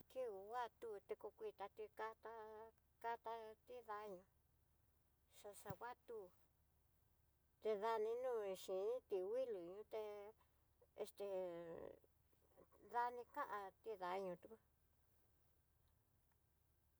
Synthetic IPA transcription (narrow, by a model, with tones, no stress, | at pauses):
ki˦u˨˧wa˦t̪u˦˧t̪e˧ko˧kʷi˧˨t̪a˧t̪i˧ka˧t̪a˧ | ka˧t̪a˧t̪i˦ða˧˦ɲũ˧ | ʂa˧ʂa˧wʷa˦t̪u˦˧ | t̪e˧ða˧nĩ˧nũː˦˨˧ʃĩ˨nĩ˦t̪i˧wi˦lu˨˧ɲũ˧t̪e˧ | ḛ˧st̪e˧ | ða˧nĩ˧kã˦ʔã˧t̪i˦ða˨˧˦ɲũ˧t̪u˧ku˦